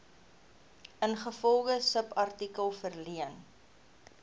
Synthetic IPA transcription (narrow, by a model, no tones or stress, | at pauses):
ənχəfɔlˠχəsəpɐrtikəlˠfərliən